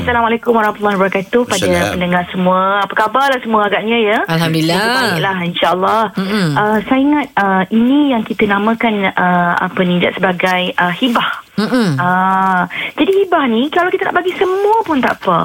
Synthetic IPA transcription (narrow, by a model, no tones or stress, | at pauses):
asalamalakʊmwaɾɔhmat̪ulːɑɦwbəɾakat̪uhpadapəndəŋarsəmũəapəkabarlahsəmũəaɡaʔɲãjəalhamd̪uiaaiʔlahinʃaʔəlːɔhʔəsaiŋat̪̚əinĩjaŋkit̪ənãmə̃kanəa̰pənĩd͡ʒaʔsəbaɡajʔəhibah̩ | ə | d͡ʒadihibahnĩkalawkit̪əna̰ʔbaɡisəmũəpʊnt̪a̰ʔpə̰